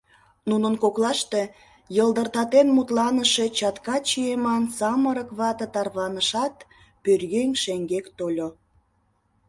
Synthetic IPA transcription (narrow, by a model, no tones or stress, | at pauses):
nunənkoklɑʃt̪e | jəlˠd̪ərt̪ɑt̪enmut̪lɑnəʃet͡ɕɑt̪kɑt͡ɕiemɑnsɑməɾəkβɑt̪ət̪ɑrβɑnəʃɑt̪ | pyrɣeŋʲʃeŋɡekt̪olʲo